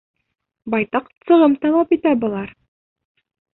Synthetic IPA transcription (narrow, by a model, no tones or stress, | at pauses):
bɑjt̪ɑqsɤ̆ʁɤmt̪ɑlˠɑpit̪æbɤ̆lˠɑɾ